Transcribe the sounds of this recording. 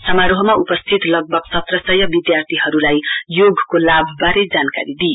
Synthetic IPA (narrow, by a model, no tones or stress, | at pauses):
sʌmaɾoɦʌmaupʌst̪ʰit̪lʌɡ̚bʱʌɡsʌt̪rʌsʌjʌbid̪jart̪ʰiɦʌɾulajjoɡʱkolabʱbaɾed͡zanka̰ɾid̪i